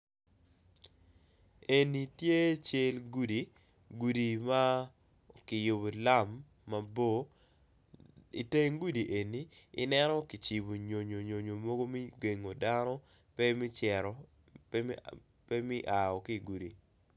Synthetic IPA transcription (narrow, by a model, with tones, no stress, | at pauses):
e˨ni˨tje˦t͡ʃe˦lɡu˦di˨ | ɡu˨di˨ma˦ | kɪ˨jo˨bo˨la˦mː | a˨bo˦ | i˨te˦ŋɡu˦di˨ʔe˨nḭː˨˦nɛ˦nɔ˦ki˨t͡ʃi˨bo˨ɲo˨ɲo˨ɲo˨ɲo˨mo˦ɡo˦mi˦ɡe˨ŋo˨da˦nɔ˦ | pɛ˦mɪ˦t͡ʃɛ˨ɾɔ˨ | pɛ˦mɪ˦ʔa˨ɔ˨ki˦˨ɡu˨di˨